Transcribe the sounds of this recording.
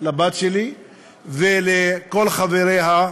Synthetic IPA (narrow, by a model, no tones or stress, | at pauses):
labat̪ʃeli | veleko̞lχaveɾeɦa